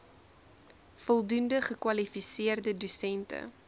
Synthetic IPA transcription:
fɔlˠdundəχəkwɐlifisiərdədusɛntə̰

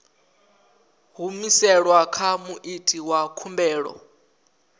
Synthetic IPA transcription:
ɦumisɛɺwakʰamuʔitʰʼiwakʰumbɛːɺɔ̰

